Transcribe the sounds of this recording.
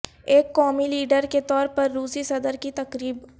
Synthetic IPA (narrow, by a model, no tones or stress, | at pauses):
eːkːɔːmiliːɖəɾket̪ɔːɾpɐɾːuːsisɐd̪əɾkit̪ɐkɾiːb